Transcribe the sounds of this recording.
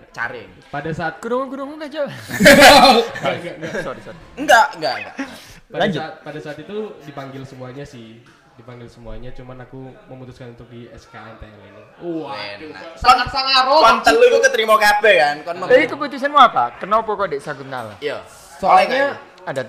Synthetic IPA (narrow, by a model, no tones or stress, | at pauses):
t͡ʃa̰ɾɪ̰n | padasaːt̪̚kudoŋanɡudoŋɔnad͡ʒa | aŋɡaɡasodisat̪̚ŋɡaʔŋɡaʔŋɡa̰ʔ | plaɲd͡ʒd͡ʒʊt̪̚padasaːt̪it̪udipaŋɡɪlsəmuaɲasɪh | dipaŋɡɪlsəmuaɲat͡ʃumanakuməmut̪uskanunt̪ʊk̚diɛskaɛnt̪aɛlit̪u | ua̰saŋasaŋaɾoant̪əlukukət̪ɾimokapɛkankənɔɛkəput̪us̬anmuapakərnaupokuadɛsakut̪̚na̰la̰ija | slaɲa | ada